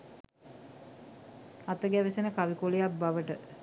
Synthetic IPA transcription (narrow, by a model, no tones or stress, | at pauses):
at̪əɡæʋesenəkaʋikolejab̚baʋəʈə